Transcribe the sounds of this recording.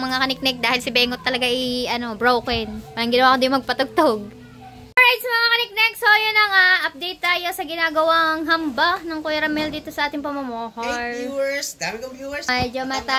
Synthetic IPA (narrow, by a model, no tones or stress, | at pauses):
mɐŋakɐnɪk̚nɛk̚d̪aːhɪlsɪbɛːŋot̪ːɐlɐɡaʔɪɐno̞bɾowkɛnaɾɐŋɡɪnɐwaːkod̪ɐjmɐɡ̚pɐt̪ʊɡ̚t̪oɡ̚ | ʔoɹajt̪̚sɐmɐŋakɐnɪk̚nɛk̚sojonɐŋaʔɐp̚d̪ejt̪ːaːjo̞sɐɡɪnaːɡɐwaŋɦɐmbanɐŋkojɐɾɐmɛld̪iːt̪o̞sɐʔaːt̪ɪŋpɐmɐmoːhɐɹsabkoumɛd͡ʒomɐt̪a